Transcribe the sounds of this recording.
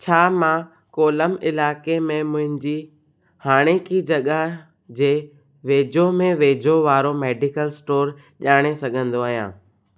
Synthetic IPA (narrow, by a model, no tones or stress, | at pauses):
t͡ɕʰaːmã | koːləmɪlaːkemẽmʊ̃ɦɪ̃ɲd͡ʑi | haːɽ̃ekid͡ʑɐɠəɦ | d͡ʑeː | ʋeːd͡ʑʱomẽʋeːd͡ʑʱoʋaːɾomeːɖɪkəlsʈoːɾ | ʄaːɽ̃esɐɡʱə̃nd̪oaːɦijã̰ː